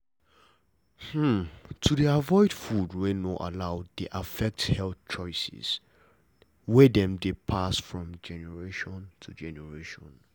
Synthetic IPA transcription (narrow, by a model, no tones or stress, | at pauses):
h̩tʰudiavɔɪdfudwɛnoʔa̰laʊdeʔafɛk̚thɛlθt͡ʃɔɪsɪ̰s | wɛdɛ̃mdepʰasfɹɔ̃md͡ʒɛnɛɹeʃɔ̃ntʰud͡ʒɛnɛɹeʃɔ̃n